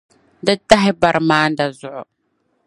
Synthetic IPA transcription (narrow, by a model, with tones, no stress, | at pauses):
dɨ˦ta˦ɦɪ˦ba˨ɾɨ˨maː˦n˦da˨zʊ˦ʔʊ̰˨